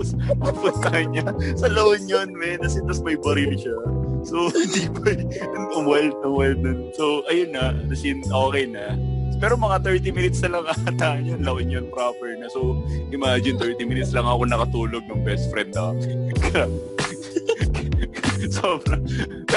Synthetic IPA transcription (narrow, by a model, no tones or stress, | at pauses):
spɐɡpʊnt̪ɐkɐɲasɐlɐʔonjonmɛnɐsɪnd̪ɐsmɐjbɐɾilʃasod̪iːbɐj | ɐŋɐŋwɛlt̪̚ɐŋwɛlnonso̞ʔɐjonːɐʔnɐsɪnʔoːkɛjnɐpɛːɾomɐŋat̪ɛɹt̪imɪnɪt̪snɐlɐŋʔɐt̪aɐɲonlɐʔonjonpɾapɛɹnɐsoʔɪmaːd͡ʒɪnt̪ɛɹt̪ɪmɪnɪt̪slɐŋʔɐkonɐkɐt̪uːloɡ̚nɐŋbɛst̪fɾɛnd̪ɐɐksɪkɐɾa | soːbɾɐŋ